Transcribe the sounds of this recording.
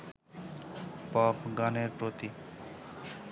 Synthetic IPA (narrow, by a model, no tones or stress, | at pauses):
pɔpɡaneɾpɾot̪i